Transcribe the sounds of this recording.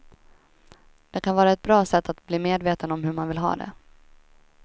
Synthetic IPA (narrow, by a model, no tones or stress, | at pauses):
d̪̥ɛkʰanvɑːɾaɛt̪̚bɾɑːsɛt̪ʰːat̪bliːmeːd̪veːt̪ənɔmɦɵɾmanvɪlɦɑ̰ːd̪ɛ̰